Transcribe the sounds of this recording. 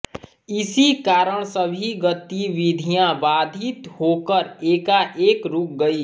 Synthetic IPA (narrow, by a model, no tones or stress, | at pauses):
ɪsikaːɾəɽ̃səbʱiɡət̪iʋɪd̪ʱijãbaːd̪ʱit̪ɦoːkəɾeːkaʔeːkɾuk̚ɡəi